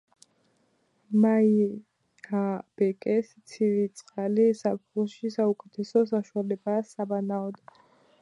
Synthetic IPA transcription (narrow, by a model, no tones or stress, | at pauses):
mai | hab̥ɛkʼɛst̪sʰiɾit̪sʼqʼalisapχlɔʃisaukʼɛt̪ʰɛsɔsaʃualɛbasabanaɔd̪a